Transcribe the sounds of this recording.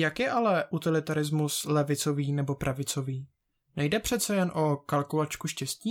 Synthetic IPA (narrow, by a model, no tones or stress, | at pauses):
jakjɛʔalɛʔut̪ɪlɪt̪aɾɪzmuslɛvɪt͡so̞viːnɛbo̞pɾʔavɪt͡so̞viː | nɛjdɛpr̝̥ɛt̪t͡sɛjɛnʔo̞kalkulat͡ʃkuʃcɛsciː